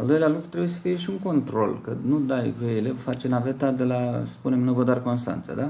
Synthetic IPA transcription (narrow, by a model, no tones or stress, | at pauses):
ald̪o̞jlealukɾut̪ɾebuje̞sə̥fijeʃiuŋko̞nt̪ɾo̞̰lkənud̪ajveelevfat͡ʃenave̞t̪ad̪e̞laspune̞mnuvəd̪oarko̞nst̪a̰nt̪sə̰d̪a